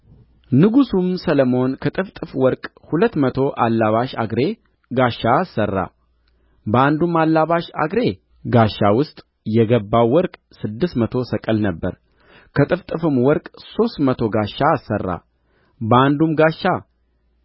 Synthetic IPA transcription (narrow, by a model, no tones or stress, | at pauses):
nɨɡusumsələmo̞nkʰət̪ʼɨft̪ʼɨfwɔɾkʼhulət̪ːmət̪ʰo̞ʔalːaβaʃa̰ɡɾe̞ | ɡaʃːaːsːərːa̰ | bəand̪umalːaβaʃa̰ɡɾe̞ | ɡaʃːawʊst̪ʼ | jɛɡəbːawwːɔɾkʼ | sɨd̪ːɨsmət̪ʰo̞səkʼəlnəbːə̰ɾ | kʰət̪ʼɨft̪ʼɨfɨmwɔɾkʼso̞st̪mət̪ʰo̞ɡaʃːaːsə̰rːa̰ | bəand̪umɡaʃːa